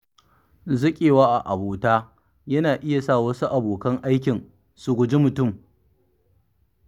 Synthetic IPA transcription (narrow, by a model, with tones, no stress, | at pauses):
zɐ˦kʲʼeː˨waː˦ʔa˨ʔa˨boː˨taː˦ | jɐ˦naː˨ʔɪ˦ja˨sa˦˨wɐ˦su˦ʔa˨boː˨kɐ˦ŋʔa˦jk̬ʲɪ˨n | su˨ɡʷʊ˨d͡ʒi˦mʊ˨tʊ˦˨m